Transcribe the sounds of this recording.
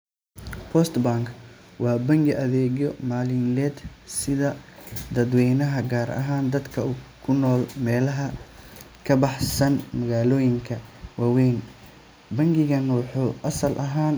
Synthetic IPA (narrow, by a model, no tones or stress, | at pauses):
pʰɔst̪baŋkʰwɑːbɐŋɡɪʔɐðɛːɣjɔmaːlɪnlɛːd̪sɪðɐd̪ɐd̪wɛjnɐɦɐɡaːɾɐ̰ɦaːnd̪ɐd̪kʰɐukʰʊnɔːlmɛːlɐɦɐ | kʰɐbɑħsɐnmɐɣaːlɔːjɪŋkʰɐwɑːwɛjn | bɐŋɡɪɣɐnwɑħuːʔɐsɐlʔɐɦaːn